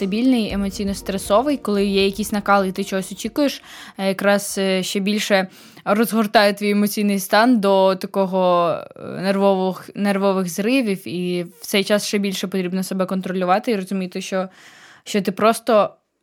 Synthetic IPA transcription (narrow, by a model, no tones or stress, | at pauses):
st̪ɐbʲilʲnɪjemɔt͡sʲijnɔst̪ɾesɔʋɪjkɔlˠɪjɛjɐkʲisʲnɐkɑlˠit̪ɪt͡ʃɔɦɔsʲɔt͡ʃʲikʊjeʃjɐkɾɑz̥ʃt͡ʃɛbʲilʲʃɛ | rɔzɦɔrt̪ɑjʊt̪ʋʲijemɔt͡sʲijnɪjst̪ɑnd̪ɔt̪ɐkɔɦɔ | nerʋɔʋxnerʋɔʋɪɣzɾɪʋʲiwiwt̪sɛjt͡ʃɑsʃt͡ʃɛbʲilʲʃɛpɔt̪ɾʲibnɔsɐbɛkɔnt̪ɾɔlʲʊʋɑt̪ɪiɾɔzʊmʲit̪ɪʃt͡ʃɔ | ʃt͡ʃɔt̪ɪpɾɔst̪ɔ